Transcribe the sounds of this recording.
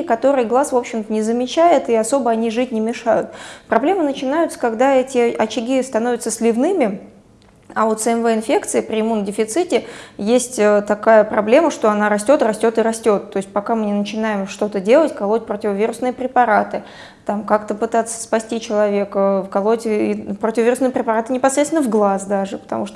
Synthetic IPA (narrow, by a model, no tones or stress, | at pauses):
kɐt̪o̞ɾɨjəɡlˠasvo̞pɕːɪmt̪ənʲɪzəmʲɪt͡ɕæjɪt̪iɐso̞bəɐnʲiʐɨtʲnʲɪmʲɪʂajʊt̪̚pɾɐblʲe̞mənət͡ɕɪnajʊt̪sə̥kɐɡd̪aɛtʲɪʔɐt͡ɕɪɡʲist̪ɐno̞vʲɪt̪səsʲlʲɪvnɨmʲɪ | aot̪sɨɛnvɛɪnfʲe̞kt̪sɨɪpɾʲɪɪmundʲɪfʲɪt̪sɨtʲɪjesʲtʲət̪ɐkajəpɾɐblʲe̞məʂt̪o̞ɐnaɾɐsʲtʲo̞t̪rɐsʲtʲo̞t̪ɨɾɐsʲtʲo̞t̪ːo̞ɪsʲtʲpɐkamɨnʲɪnət͡ɕɪnajɪmʂt̪o̞t̪ədʲe̞lˠətʲkɐlˠo̞t̚ʲpɾotʲɪvəvʲiɾʊsnɨjəpɾʲɪpɐɾat̪ɨ | t̪amkakt̪əpɨt̪at̪sːə̥spɐsʲtʲit͡ɕɪlˠɐvʲe̞kfkɐlˠotʲɪpɾotʲɪvəvʲiɾʊsnɨjəpɾʲɪpɐɾat̪ɨnʲɪpɐsɾʲet̪sʲɪnːəvɡlˠasd̪aʐɨpə̥t̪ɐ̰muʂt̪o